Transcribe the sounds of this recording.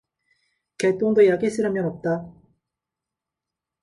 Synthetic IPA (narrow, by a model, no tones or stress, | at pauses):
ket͈oŋdojaɡis͈ʰɯɾɯmjʌnʌp̚t͈a